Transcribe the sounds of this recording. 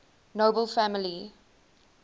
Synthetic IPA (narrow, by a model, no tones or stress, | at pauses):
noʊbəlfæmɪli